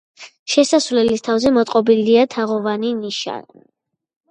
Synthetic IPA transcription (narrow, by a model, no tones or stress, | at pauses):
ʃɛsasvlɛlist̪ʰavzɛmɔt̪ʼqʼɔbiliat̪ʰaʁɔvaniniʃa̰